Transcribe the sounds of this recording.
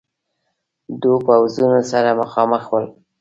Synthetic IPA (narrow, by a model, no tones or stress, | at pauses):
d̪upawzunosaɾaməxɑməxwəl